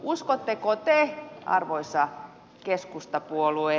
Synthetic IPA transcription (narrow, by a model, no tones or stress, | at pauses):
uskot̪ːekot̪eɑ̰rʋoisɑ | keskust̪ɑpuolue